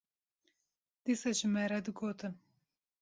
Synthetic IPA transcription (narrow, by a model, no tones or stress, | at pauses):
d̪̥isɑʒɪmɛɾɛd̪ɨɡoːt̪ɨn